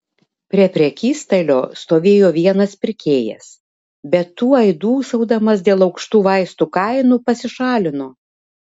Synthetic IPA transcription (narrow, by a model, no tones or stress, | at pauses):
pʲɾʲiɛpʲɾʲɛkʲiːst̪ɐlʲoːst̪oːʋʲeːjoːʋʲiɛnɐspʲɪɾʲkʲeːjɛ̰s | bʲɛt̪ːuːɐɪd̪uːsɐʊd̪ɐmɐsd̪ʲeːlˠɒʊkʃt̪uːʋɐɪst̪uːkɐɪnupɐsʲɪʃɑːlʲɪnoː